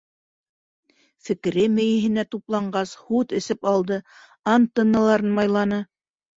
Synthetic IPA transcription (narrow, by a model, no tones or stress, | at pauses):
fɘ̆kɘ̆ɾɘmɘ̆jɘ̆ɦɘ̆næt̪uplˠɑɴɢɑshut̪ɘ̆sɘpɑlˠd̪ɤ | ɑnt̪ɤ̆nːɤ̆lˠɑɾɤnmɑjlˠɑnɤ